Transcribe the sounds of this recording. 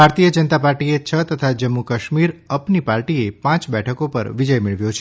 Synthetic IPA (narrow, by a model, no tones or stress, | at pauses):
bʱaɾt̪ijəd͡ʒənət̪apaɾʈiet͡ʃʰət̪ət̪ʰad͡ʒəmːukəʃmiɾəpnipaɾʈiepãt͡ʃbɛʈʰəkopə̰ɾʋid͡ʒəjmeɭʋjõt͡ʃʰe